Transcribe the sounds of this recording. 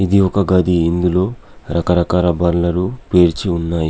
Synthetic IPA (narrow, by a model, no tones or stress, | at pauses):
id̪iɔkɐɡɐd̪iind̪ulo̞ː | ɾʔɐkɐɾɐkaːɾɐbɐɾlɐɾupeːɾt͡ʃiunːaːji